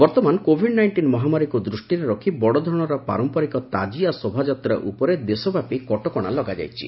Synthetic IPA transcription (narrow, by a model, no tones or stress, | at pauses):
bɔɾt̪ɔmankobʱiɖnajɳʈinmɔɦamaɾikud̪ɾusʈiɾeɾɔkʰibɔɽɔd̪ʱɾɔɽ̃ɔɾɔpa̰ɾɔmpɔɾikɔt̪a̰d͡ʒiasobʱad͡ʒat̪ɾa̰ʔupɔɾed̪esɔbapikɔʈɔkɔɽ̃a̰lɔɡad͡ʒa̰jt͡ʃʰi̥̰